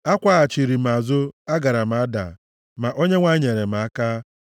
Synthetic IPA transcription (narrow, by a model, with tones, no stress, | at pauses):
a˦kʷa˦a˨t͡ʃi˨ɾi˨m̩˨a˨zʊ˦a˦ɡa˨ɾa˨m̩˨a˨˦da̰˨ | ma˨ʔo˦ɲe˦ŋʷa˦ɲe˨ɾe˨m̩˨a˦ka˦